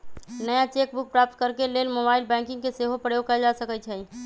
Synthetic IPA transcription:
nəjat͡ʃek̚buk̚pɾap̚t̪kəɾkelelmobaɪlbɛ̃ŋkɪ̃ŋɡkeseɦopɾəjokəld͡ʒasəkət͡ʃʰɛ

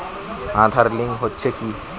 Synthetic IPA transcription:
ãt̪ʰaɾlĩŋɡɦot̪ːt͡ʃʰeki

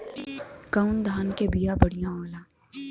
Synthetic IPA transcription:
kəʊnd̪ʱaːnkebijabɐɽijãoːlãː

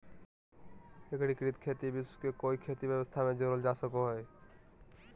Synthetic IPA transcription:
ekɾikɾit̪kʰeːt̪ibɪskekoːikʰeːt̪ibjəwəst̪ʰamẽd͡ʒəɾəld͡ʒaːsəkoɦɛ

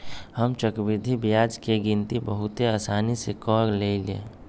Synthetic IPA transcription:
həmt͡ʃəkbɪd̪ʱibijaːd͡ʒkeɡint̪ibəɦʊt̪eaːsaːnisekɔːɾleːlḛ

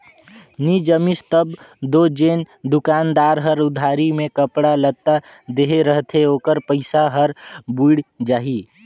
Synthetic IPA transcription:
nid͡ʒəmɪst̪əbd̪oːd͡ʒeːnd̪ʊkaːnd̪aːɾɦəɾʊd̪ʱaːɾimẽkəpɽalət̪a | d̪eɦeɾəɦt̪ʰeoːkəɾpəɪsaɦəɾbuɽd͡ʒaːɦiː

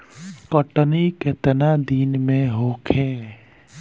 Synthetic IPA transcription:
kəʈəniket̪ənad̪iːnmẽɦoːkʰeː

